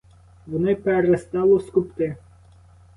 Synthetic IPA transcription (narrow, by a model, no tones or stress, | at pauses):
ʋɔnɪpeɾest̪ɑlˠɔskʊpt̪ɪ